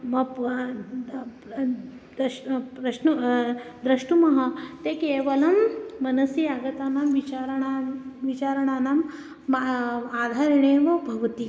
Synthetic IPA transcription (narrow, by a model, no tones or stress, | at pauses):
mɐ | ɾɐʂnud̪ɾɐʂɳumɐɦɐt̪ekeːʋɐlɐmːɐnɐsiaːɡɐt̪aːnamʋit͡ʃaɾɐɳaʋit͡ʃaːɾɐɳaːnam | aːd̪ʱaːɾiɳeːʋɐbʱɐʋɐt̪i